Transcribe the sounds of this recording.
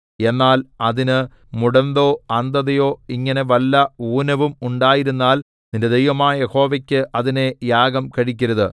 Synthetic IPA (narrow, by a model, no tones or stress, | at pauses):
e̞nːaːlɐðinɨ | muɽɐnd̪oːɐnd̪ɐðɐjo̞ːiŋːɐne̞ʋɐlːɐuːnɐʋumuɳɖaːjiɾunːaːl | ninded̪ejʋɐmaːjɐjeho̞ːʋɐkʲːɨʔɐðine̞jaːɡɐmkɐɻikʲːɐɾɐðɨ